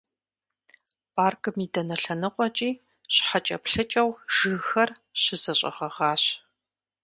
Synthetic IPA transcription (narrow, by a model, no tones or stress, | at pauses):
paːrkɨmiːdɐnɐɬɐnɨqʷʼɔt͡ʃʼiː | ɕħat͡ʃʼɐpɬɨt͡ʃʼɐwʒ̥ɨɣxɐr | ɕɪzɐɕʼɐ̰ʁɐʁaːɕ